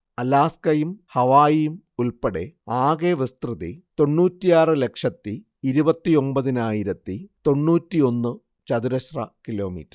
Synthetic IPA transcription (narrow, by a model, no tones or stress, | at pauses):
ɐlaːskɐjumhɐʋaːjijum | ulpɐɽe̞̰aːɣeʋist̪rɨðḭt̪o̞ɳːuːtːijaːrɨle̞kʂɐt̪ːiː | ɾubɐt̪ːio̞mbɐðinaːjiɾɐt̪ːit̪o̞ɳːuːtːio̞nːɨ | t͡ɕɐðuɾɐɕrɐkilo̞ːmḭːtːɐr